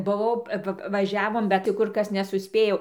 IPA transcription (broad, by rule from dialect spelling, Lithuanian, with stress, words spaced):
bʊˈʋɐʊ ˈʋɐ ʋɐˈʒʲæːʋoːm bʲɛt tʲɪ ˈkʊr ˈkɐs nʲɛsʊˈsʲpʲeːjɛʊ